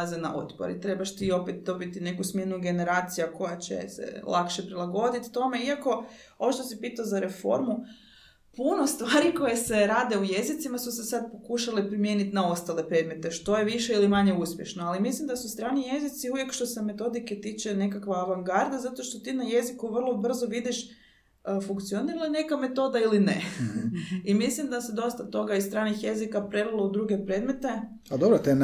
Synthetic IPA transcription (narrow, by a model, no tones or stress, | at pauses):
zena̰ʔo̰t̪po̰ɾḭt̪ɾe̞baʃt̪iːo̞pet̪̚d̪o̞bit̪ine̞kusmʲje̞nuɡe̞ne̞ɾaːt̪sijako̞jat͡ɕḛsḛlˠʔakʃe̞pɾilˠaɡo̞d̪it̪t̪o̞me̞iako̞ | ooʃt̪osipiːt̪aozaɾe̞fo̞̰ɾmu | puno̞st̪ʋaːɾiko̞jese̞ɾaːd̪e̞uje̞zit̪simasusesad̪̚po̞kuʃalepɾimjenit̪nao̞st̪ale̞pɾe̞d̪me̞t̪e̞ʃt̪o̞jeʋiʃeilimaɲe̞uspʲje̞̰ʃnoalimislimd̪asust̪ɾaːnije̞zit̪siuʋje̞kʃt̪o̞se̞me̞t̪o̞d̪ike̞t̪it͡ʃe̞ne̞kakʋaaʋaŋɡaɾd̪azat̪o̞ʃt̪o̞t̪inaje̞zikuʋr̩lˠo̞br̩zoʋid̪iʃ | əfuŋkt̪sioniɾaline̞kame̞t̪o̞d̪ailine | imislimd̪ased̪o̞st̪at̪o̞ɡaisst̪ɾaːnixje̞zikapɾeɾulˠoud̪ɾuɡe̞pɾe̞d̪me̞t̪e̞ | ad̪obɾot̪e